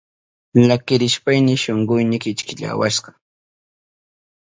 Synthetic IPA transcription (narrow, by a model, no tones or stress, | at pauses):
lakɪɾɪʃpajnɪʃoɴɢʊjnɪkɪt͡ʃkɪʎa̰waʃɢɑ